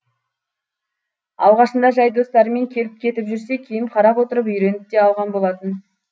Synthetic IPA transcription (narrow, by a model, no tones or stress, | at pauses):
ɑ̰lˠʁɑʃənd̪ɑʒɑjd̪o̞st̪ɑɾəme̞ŋkʲʰe̞lɪp̚kʲʰe̞t̪ɪpʒʏɾse̞kʲʰijɪmqʰɑɾɑpwo̞t̪əɾəpʏjɾe̞nɪp̚t̪e̞ɑlˠʁɑnbo̞lˠɑt̪ən